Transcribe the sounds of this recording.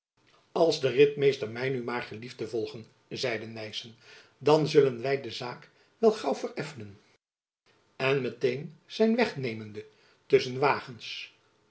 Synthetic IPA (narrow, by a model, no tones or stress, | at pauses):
ɑlˠzdərɪtmejstəɹmɛjnymaːɹχəlivdəvɔlˠχən | zɛjdənɛjsən | dɑnzɵlənʋɛjdəzaːk | ʋɛlˠχɑwvəɹɛfənən | ɛnmətejnz̥ɛjnʋɛχnejməndə | tɵsənʋaːχəns